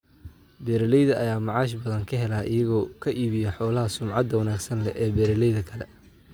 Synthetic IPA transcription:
bɛːɾɐlɛjðɐʔɐjaːmɑʕɑːʃ̬bɐðɐŋkʰɐɦɛlaːʔɪjɐɣɔːkʰɐʔiːβɪjɐħɔːlɐɦɐsʊmʕɑd̪ɐwɐnaːɡsɐnlɛʔɛːbɛːɾɐlɛjðɐkʰɐlɛ̰

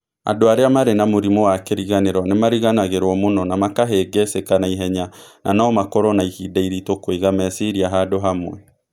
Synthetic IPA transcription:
a̰doaɾeamaɾenamoɾimowakeɾiɣaneɾɔnemaɾiɣanaɣeɾwɔmonɔnamakaɦɛɡɛsekanaiɦɛɲanʔa̰naɔmakɔɾɔnaihidaiɾitokweɣamɛsiɾiaɦadoɦamwɛ

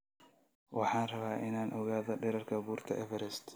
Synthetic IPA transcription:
wʔɑħɑːnrɐβaːʔɪnaːnʔɔɣaːðɔɖɛɾɐrkʰɐbuːrt̪ʰɐ̰ʔɛvɛɾɛst̪

